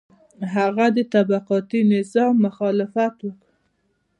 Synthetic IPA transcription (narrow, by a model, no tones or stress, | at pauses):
ɦaɣad̪ət̪abaqɑt̪inɪzɑmːʊxɑlɪfat̪wək